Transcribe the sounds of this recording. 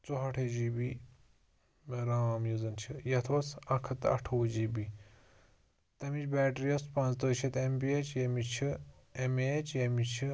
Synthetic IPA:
t͡soɦɐʈʰed͡ʒiːbi | meɾaːmjuzɐnt͡ʃʰijɐt̪ʰoːsɐkʰɐt̪ɐ̰ʈʰoːd͡ʒiːbi | t̪ɐmit͡ʃbɛːʈɾijɐspɐ̃nt͡st̪oːt͡ʃʰɐt̪embiet͡ʃjɐmit͡ʃʰiemeːt͡ʃjɐmit͡ʃʰi

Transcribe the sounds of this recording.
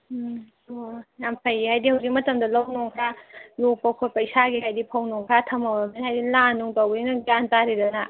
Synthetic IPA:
ojampʰɐjihajdihɐwzik̚mɐtɐmdɐlɐwnoŋkʰɾalok̚pɐkʰojpɐjsaɡiɦajdipʰɐwnoŋkʰɾatʰɐmɐbɐminhajdilanːuŋtowbɐninɐɡantaɾidɐna

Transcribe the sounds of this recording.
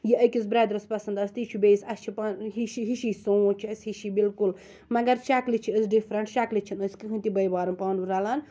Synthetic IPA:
jiɐkʲizbɾɛːd̪ɾɐspɐsɐnd̪ɐst̪it͡ʃʰubʲesɐst͡ʃʰipaːnɦiʃiɦiʃisot͡ʃʰiɐsʲhiʃibilkul | mɐɡɐɾt͡ʃaklit͡ʃʰiɐzɖifʰɾɐnst͡ʃaːklit͡ʃʰinɐsʲkɨɦʰɨ̃nt̪ibɐjbaːɾɐmpaːnuɾɐlaːn

